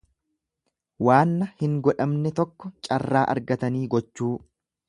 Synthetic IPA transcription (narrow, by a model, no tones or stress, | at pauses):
waːnːɐhɪŋɡɔᶑɐmnɛt̪ɔkːɔt͡ʃʼɐrːaːʔɐ̰ɾɡɐt̪ɐniːɡɔt͡ʃːuː